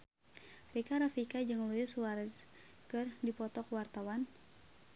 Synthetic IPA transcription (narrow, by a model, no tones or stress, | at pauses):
rikaɾafikad͡ʒɨŋluɪswaɾz | kɨrdipɔt̪ɔkwart̪awan